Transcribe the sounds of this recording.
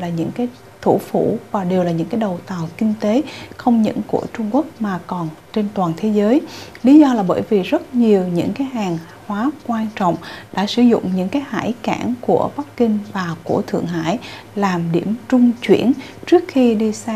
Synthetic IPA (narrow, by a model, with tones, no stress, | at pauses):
laː˨˩ɲɨ̰˧˥ŋkaː˨˦j | t̪ʰṵ˧˩fṵ˧˩˥vaː˨˩ɗe˨˩wlaː˨˩ɲɨ̰˧˥ŋkaː˨˦jɗə˨˩wt̪aː˨˩wkï˧ŋ̟t̪e˨˦xə˧wŋ͡mɲə̰˧˥nku˧˩ət͡ɕʊ˧ŋ͡mku˦˥ək̚maː˨˩kɔ˨˩nt͡ɕe˧nt̪waː˨˩nt̪ʰe˨˦zəː˨˦jli˨˦zɔ˧laː˨˩ɓə̰ː˧˩jvi˨˩zə˦˥t̚ɲi˨˩əwɲɨ̰˧˥ŋkaː˨˦jɦaː˨˩ŋ | hwaː˨˦kwaː˧nt͡ɕɔ̰˧˨wŋ͡mɗa̰ː˧˥sɨ˧˩zʊ̰˧˨ŋ͡mɲɨ̰˧˥ŋkaː˨˦jha̰ː˧˥jkaː˧˩nku˧˩əɓa˦˥kkï˧ŋ̟vaː˨˩ku˧˩ət̪ʰɨ̰˧˨əŋɦa̰ː˧˥˨j | laː˨˩mɗi˧˩əmt͡ɕʊ˧ŋ͡mt͡ɕwḭ˧˩ənt͡ɕɨ˦˥ək̚xi˧ɗi˧saː˧